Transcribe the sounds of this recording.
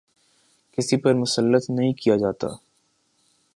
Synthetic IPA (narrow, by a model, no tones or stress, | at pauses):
kɪsipɐɾmʊsəlːət̪nɐɦĩkijad͡ʒaːt̪a̰ː